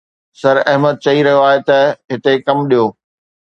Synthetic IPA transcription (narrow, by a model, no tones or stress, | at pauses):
sɐɾɐɦməd̪̚t͡ɕɐiɾɐɦjoaːɦet̪ɐɦɪt̪ekɐmɗijoː